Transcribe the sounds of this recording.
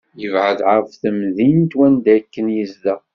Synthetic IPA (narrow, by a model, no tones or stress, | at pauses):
jəvʕəðʕəɾfθəmðint̪wænd̪ækːənjəzd̪æ